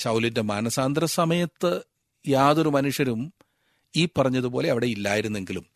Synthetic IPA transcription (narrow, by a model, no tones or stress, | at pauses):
sɐwlinde̞maːnɐsaːnd̪rɐsɐmɐjɐt̪ːɨ | jaːðo̞ɾumɐnuʂjɐɾum | iːpːɐrɐɲːɐðubo̞ːle̞ɐʋiɽe̞ilːaːjiɾunːe̞ŋɡilum